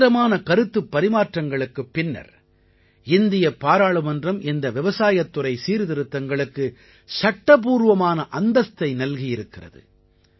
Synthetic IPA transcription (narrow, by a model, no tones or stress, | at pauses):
ɾɐmaːnɐkɐɾɯt̪ːɯpːɐɾɪmaːʈrɐŋɡɐɭɯkːɯpːɪnːɐ̰ɾ | ɪnd̪ɪjɐpːaːɾaːɭɯmɐndrɐmʔɪnd̪ɐʋɪʋɐsaːjɐt̪ːɯrɐɪsiːɾðɪɾɯt̪ːɐŋɡɐɭɯkːɯ | sɐʈːɐp̬uːɾʋɐmaːnɐʔɐnd̪ɐst̪ɐɪnɐlɣɪjɪɾɯkːɪrɐ̰ðɯ̰